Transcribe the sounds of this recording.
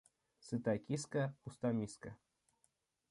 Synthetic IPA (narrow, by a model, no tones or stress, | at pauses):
sɨt̪akʲiskaxust̪amʲiska